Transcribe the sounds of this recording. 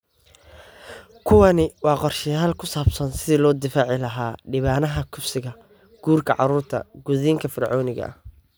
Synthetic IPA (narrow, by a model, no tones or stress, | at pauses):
kʰʊwɑnɪwɑːqɔrʃɪjaːlkʰʊsaːbsɐnsɪðilɔːd̪ɪfaːʕɪlɐɦaːɖɪβaːnɐɦɐkʰʊbsɪɣɐ | ɡ̥uːrkʰɐʕɑ̰ɾuːrt̪ʰɐ̰ɡ̥ʊðiːŋkʰɐfɪrʕɔːnɪɣɐ̰ʔɐ̰h